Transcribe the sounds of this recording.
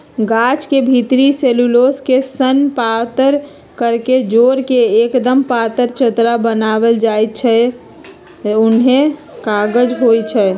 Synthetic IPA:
ɡat͡ʃkebʱit̪ɾiseluloskesənpat̪əɾ | kəɾked͡ʒoɾkeːkd̪əmpat̪əɾt͡ʃət̪ɾabənabəld͡ʒajt̪̚t͡ʃʰɛ | ʊnɦẽkaɡəd͡ʒɦojt͡ʃʰɛ

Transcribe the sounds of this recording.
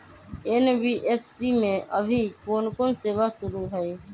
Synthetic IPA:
enbiːʔeːpʰsiːmẽʔəbʱiːkoːnkoːnseːʋaːsʊɾuːɦəeː

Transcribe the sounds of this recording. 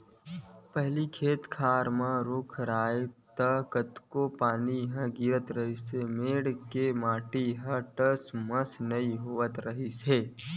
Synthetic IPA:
pəɦlikʰeːt̪kʰaːɾmãɾʊkʰɾaːet̪əkət̪kopaːniɦə̃ɡiɾət̪ɾəɦisemeːɽkemaːʈiɦə̃ʈəsməsnɐiɦoːət̪ɾɐɦiseː

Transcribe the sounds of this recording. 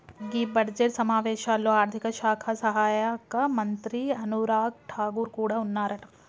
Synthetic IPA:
ɡiːbɐɽd͡ʒeʈsɐmaːʋeːʃaːlːoaːɾt̪ʰikɐʃaːkʰasɐɦaːjakɐmɐnt̪ɾiɐnuɾaːɡ̚ʈʰaːɡuɾkuːɽaʊnːaːɾɐʈ

